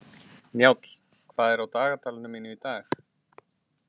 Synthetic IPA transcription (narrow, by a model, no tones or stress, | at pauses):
njaːwt̪l̥ | kʰvaːðɛɾawt̪aːɣat̪ʰaːlɪnʏminɪit̪aːx